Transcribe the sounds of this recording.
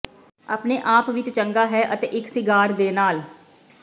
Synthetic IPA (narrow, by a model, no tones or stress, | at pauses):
apneːʔaːpʋɪt͡ʃt͡ʃəŋɡaːɦɛːʔət̪eːʔɪksɪɡaːɾd̪eːnaːl